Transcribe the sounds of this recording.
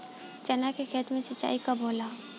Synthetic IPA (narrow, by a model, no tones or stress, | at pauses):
t͡ʃɐnakekʰeːt̪mẽsɐtt͡ʃːa̰ːikaboːla